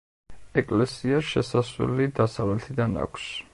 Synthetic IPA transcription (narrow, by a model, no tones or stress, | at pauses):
ɛkʼlɛsiaʃɛ̰sasṵlid̪asavlɛt̪ʰid̪ana̰kʷʰs